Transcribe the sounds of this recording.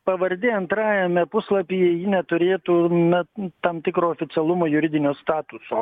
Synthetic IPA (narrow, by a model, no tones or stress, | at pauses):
pɐʋɐɾʲd̪ʲeɐnt̪ɾɑːjɛmʲɛpʊslˠɐpʲijɛjɪnʲɛt̪ʊɾʲeːt̪uːnɐt̪ɐmt̪ʲɪkɾoːoːfʲɪt̪sʲɛlˠʊmoːjʊɾʲɪd̪ʲɪnʲoːst̪ɑːt̪ʊsoː